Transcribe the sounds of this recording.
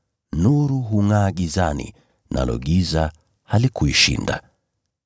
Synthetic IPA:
nuɾuɦuŋaːɡizanḭ | nʔa̰lɔ̰ɡiza | halikuiʃḭnda̰

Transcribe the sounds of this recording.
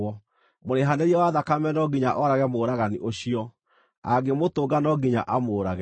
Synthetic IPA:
ɔ | moɾeɦaneɾiɛwaðakamɛnɔɡiɲaʔɔɾaɣɛmoːɾaɣaniʔoɕiɔ | a̰ɡemotoːɡanɔɡiɲa̰ʔamoːɾaɣɛ

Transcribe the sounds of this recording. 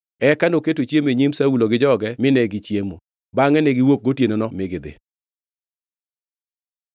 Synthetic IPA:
ɛkanoketot͡ʃjemeɲimsauloɡɪd͡ʒɔɡɛmɪnɛɡɪt͡ʃjemo | baŋɛnɛɡɪwok̚ɡotjenonɔmɪɡɪd̪ɪ̰

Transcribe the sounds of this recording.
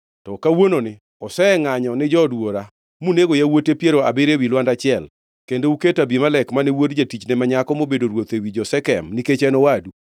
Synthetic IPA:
tɔkawononɪ | ɔsɛŋaɲɔnɪd͡ʒɔdwoɾa | muneɡojawotepjeɾoa̰beɾewilwandat͡ʃɪɛl | kendouketabimalɛkmanɛwodd͡ʒatit͡ʃnɛmaɲakɔmobedoɾwot̪ewid͡ʒɔsɛkɛmniket͡ʃɛnɔwadu

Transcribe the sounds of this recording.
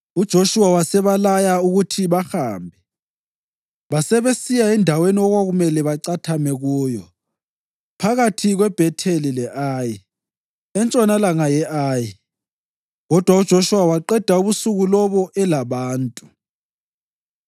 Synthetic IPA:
ud̥ʒ̥ʱoʃuwawasɛβalajauɣutʰiβaxaːmbʱɛ | βasɛβesijaɛndʱaweniɔɣwaɣumɛlɛβaǀatʰamɛɣuːjɔ | pʰaɣatʰiɣwɛb̥ʱɛtʰelilɛʔaːji | ɛnt͡ʃʼɔnalaŋajɛʔaːji | ɣɔd̥ʱwaud̥ʒ̥ʱoʃuwawaǃɛd̥ʱauβusuɣulɔβɔʔɛlaβaːntʼu

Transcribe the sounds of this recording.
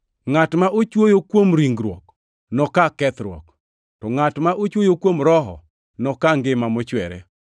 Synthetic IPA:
ŋatmaʔot͡ʃwojokwomɾiŋɡɾwɔ̰k | nɔkakɛt̪ɾwɔ̰k | tɔŋatmaʔot͡ʃwojokwomɾɔɦɔ̰ | nɔkaŋɡɪmamɔt͡ʃwɛɾɛ̰

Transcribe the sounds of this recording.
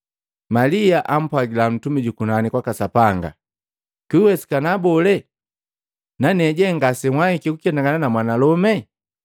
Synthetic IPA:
maliaʔam̩pwaɡilam̩tumiɟukunanikwakasapaŋɡa̰ | kiwɛsi̥kanabɔlɛ | nanɛɟɛŋɡasɛŋwaikikukɛndaŋɡananamwanalɔmɛ

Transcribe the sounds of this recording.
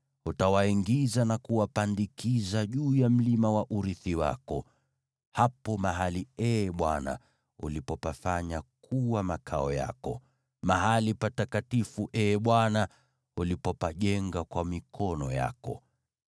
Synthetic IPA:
utawaiŋɡizanakuwapandikizaʄuːjam̩limawaʔuɾiθiwa̰kɔ | hapɔmaɦaliɛɓwana̰ | ṵlipɔpafaɲakʰuwamakʰaɔja̰kɔ̰ | maɦalipatakatifuʔɛɓwana | ulipɔpaʄɛŋɡakwamikʰɔnɔja̰kɔ̰

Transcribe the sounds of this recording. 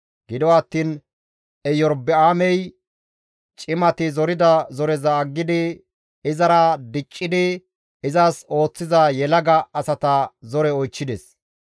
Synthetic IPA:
ɡ̥ɪd̪ɔwaːt̪ːiːn | ɛjɔɾbɛaːmɛj | t͡ʃʼɪmɐt̪ɪzɔɾɪd̪ɐzɔɾɛzɐːɡːɪd̪ɪ | ɪzɐɾɐd̪ɪt͡ʃʼːɪd̪ɪ | ɪzɐso̞ːt͡sːɪzɐjɛlɐɡɐːsɐt̪ɐzɔɾɛɔjt͡ʃːɪd̪ɛs

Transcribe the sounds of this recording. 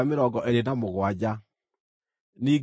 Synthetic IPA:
ameɾɔɡɔʔeɾenamoɣwad͡ʑa | niː

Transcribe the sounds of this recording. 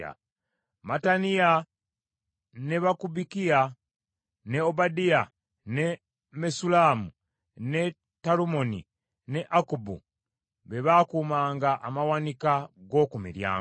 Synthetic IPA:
a̰ | matania | ne̞βakubikija | ne̞obadija | ne | mesulaːmu | ne̞ | talumo̞nḭ | ne̞ʔakubṵ | βe̞βaːkuːmaːŋɡaʔamawanikaɡo̞kumḭɾja̰ː

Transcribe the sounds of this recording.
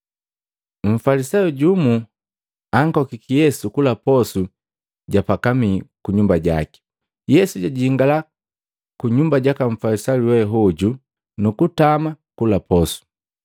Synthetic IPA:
ɱ̩falisajuɟumu | aŋkɔkikijɛsukulapɔsu | ɟapakamikuɲumbaɟa̰ki̥ | jɛsuɟaɟiiŋɡala | kuɲumbaɟakaɱ̩falisajuwɛɦɔɟu | nukutamakulapɔsu̥

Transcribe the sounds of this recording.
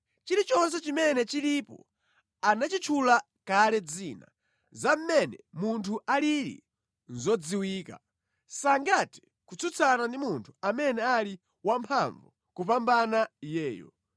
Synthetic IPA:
t͡ʃiɾit͡ʃɔns̬ɛt͡ʃimɛnɛt͡ʃiɾipɔ̰ | anat͡ʃit͡ʃʰula | kalɛd͡ziːna̰ | zam̩mɛnɛmuntʰuʔaliɾḭ | nzɔd͡ziwiːka̰ | saŋɡatɛ̥ | kut͡sʰut͡sʰanandimuntʰu̥amɛnɛali | wampʰaɱvu | kupambanajɛːjɔ̰

